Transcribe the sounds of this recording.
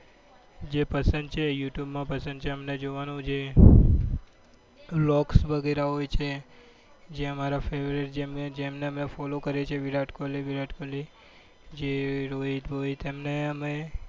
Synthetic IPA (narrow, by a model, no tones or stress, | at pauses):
d͡ʒepəsə̃nd̪̚t͡ʃʰejuʈjubmãpəsə̃nd̪t͡ʃʰeəmned͡ʒoʋanũd͡ʒe | lɔksʋəɡeɾaɦojt͡ʃʰe | d͡ʒeəmaɾafeʋɾiʈd͡ʒemed͡ʒemneəmnefɔlokəɾet͡ʃʰeʋiɾaʈkoliʋiɾaʈkoli | d͡ʒeɾoɦit̪ɦojt̪emneəme